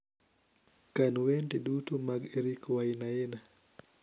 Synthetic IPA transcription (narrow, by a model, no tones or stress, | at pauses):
kanwendeɗutumaɡeɾikwainajena